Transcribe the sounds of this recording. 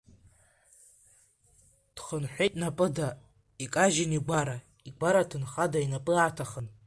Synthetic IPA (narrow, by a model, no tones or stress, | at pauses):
d̥χənħʷᶣejtʼnapʼɨda | ikʼaʒɪniɡʷaɾa | iɡʷaɾatʰɨnχadainapʼɨatʰaχən